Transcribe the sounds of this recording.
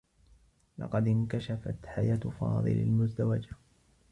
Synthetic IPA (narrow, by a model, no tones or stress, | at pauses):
lɑ̰qɑd̪ɪnkaʃafa̰t̪ħajaːt̪fɑ̰ːðˤɨ̰la̰lmʊzd̪awad͡ʒa